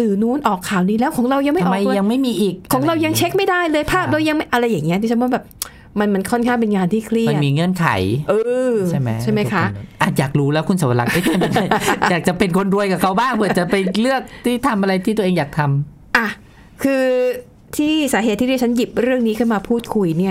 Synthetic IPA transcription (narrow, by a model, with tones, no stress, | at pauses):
lɯː˨˩nuː˦˥nʔɔː˨˩kʰːaː˨˩wniː˧˩lɛː˦˥wkʰɔː˩˦ɾa˧wja˧ŋma˥˩˧jʔːma˧jːa˧ŋma˥˩jmiː˧ʔiː˨˩k̚ʰːɔː˩˦ŋɾa˧wja˧ŋt͡ɕʰe˦˥k̚ma˥˩jda˥˩jlɤː˧jpʰaː˥˩p̚ɾa˧wja˧ŋma˥˩jʔa˧ɾa˧jːaː˨˩ŋːi˦˥ɐdɯ˧˦t͡ɕʰa˥pʰːɔ˦˥bɛː˨˩p̚ | ma˧nma˧nkʰɔ˥˩nkʰaː˥˩ŋp̬e˧nŋaː˧nt̪ʰiː˥˩kʰli˥˩ma˧nmiː˧ŋɤ˧˥˩nkʰa̰˨˩˦jʔɤː˧˥˩t͡ɕʰa˥˩jma˦˥jjkʰa˦˥ʔʔaː˨˩t̪̚jaː˨˩k̚ɾuː˦˥lɛː˦˥wkʰu˧nsaː˨˩˦wa˧la̰˨˩kʔaː˧˥˩t͡ɕʰa˥˩˧jaː˨˩k̚t͡ɕa˨˩pe˧nkʰo˧nɾu˧əjka˨˩kʰa˧wbaː˥˩ŋpʰɯ˨˩t͡ɕa˨˩pa˧jlɯ˥˩ək̚t̪ʰiː˥˩t̪ʰa˧mʔa˧ɾa˧jt̪ʰi˥˩t̪u˧ʔeː˧ŋjaː˨˩k̚t̪ʰa˧m | ʔa˧˩ | kʰɯː˧ | t̪ʰiː˥˩saː˩˦ɦeː˨˩t̪ʰːi˥˩diː˥˩t͡ɕʰnji˨˩p̚ɾɯ˥˩əŋniː˦˥kʰɯ˥˩maː˧pʰuː˥˩t̪̚kʰu˧jni˥˩ɐ